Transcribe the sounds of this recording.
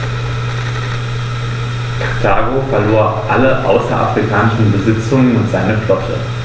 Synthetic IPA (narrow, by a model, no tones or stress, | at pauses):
kʰ | kʰaːɡofɛɐloːɐʔaləʔa̰ʊsɐ̰ʔa̰fʁ̥ikʰaːnɪʃn̩bəzɪt͡sʊŋənʊntz̥aɪnəflɔtʰə̰